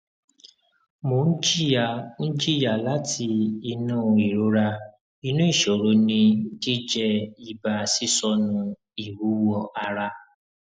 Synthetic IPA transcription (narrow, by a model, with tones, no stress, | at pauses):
mo˨n̩˦d͡ʒi˦˨ja˨˦n̩˦d͡ʒi˦˨ja˨la˨˦tʰi˧i˧nũ˦˨i˨ɾo˨˦ɾa˧ | i˧nũ˦i˦˨ʃo˨ɾo˨˦nĩ˧˦d͡ʒi˦d͡ʒɛ˦i˧ba˧˨si˦sɔ˧nũ˧ | i˨wu˨˦wɔ˧a˧ɾa˧